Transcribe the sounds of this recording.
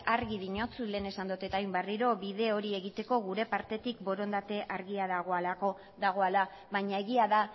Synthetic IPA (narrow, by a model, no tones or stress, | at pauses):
aɾɣiðiɲo̞t͡sule̞ːne̞sand̪ut̪e̞t̪ajmbariɾo̞βiðe̞o̞ɾie̞ɣit̪e̞ko̞ɣuɾe̞paɾt̪e̞t̪ikbo̞ɾo̞nd̪at̪e̞ʔaɾɣiaðaɣ̞o̞alako̞ | ðaɣ̞o̞ala | βaɲae̞ɣiaða